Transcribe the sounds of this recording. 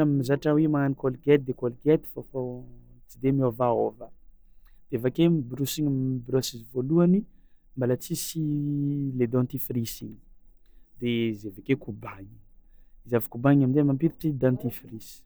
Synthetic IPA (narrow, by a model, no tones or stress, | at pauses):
ammizaʈ͡ʂawemaanikolɡɛt̪̚d̪ekolɡet̪i̥fofot͡sid̪emiovaovə | d̪̥eevakemibɾusiŋbɾuasizivoluanimbalat͡sisi | led̪ãnt̪ifrisini̥ | d̪ezevakekubaɲi̥izavikubaɲamind̪emampiɾiʈ͡ʂid̪ãnt̪ifris